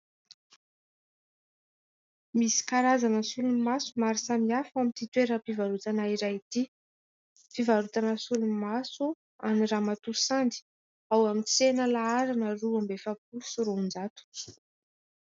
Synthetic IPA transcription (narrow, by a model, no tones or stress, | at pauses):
misi̥kaɾazanəsulumasumaɾisamiafamint̪it̪weɾəpivaɾut̪anaiɾait̪i | pivaɾut̪anəsulumasu | aniramat̪usand̪i̥ | awamit͡senəlaaɾanəruambefəp̚usuɾund͡zat̪u̥